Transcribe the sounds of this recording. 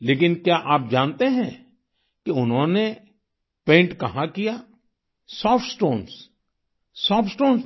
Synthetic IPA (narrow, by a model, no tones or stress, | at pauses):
leːkɪnkjaʔaːp̚d͡ʒaːnt̪eɦɛ̃ | kiʊnɦõne | pẽːɳʈkɐɦãkija | sɔːfʈsʈoːns | sɔːpsʈoːns